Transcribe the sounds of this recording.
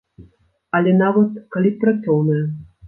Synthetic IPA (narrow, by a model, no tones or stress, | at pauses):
ɐlʲɛnavɐt̪kalʲippːɾat̪sɔwnɐjɐ